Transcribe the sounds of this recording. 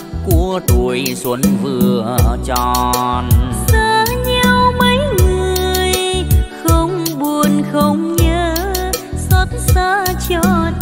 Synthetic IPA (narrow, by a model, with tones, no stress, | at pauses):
ku˧˩ət̪u˨˩əjswə˨˦nvɨ˧˩ət͡ɕɔ˧˩nsəː˧˩ɲɛ˧wmə˨˦jŋɨ˨˩əjxə˧wŋ͡mɓu˨˩ənxə˧wŋ͡mɲəː˨˦ | sə˧˥t̚saː˧˦t͡ɕɔ˧˩t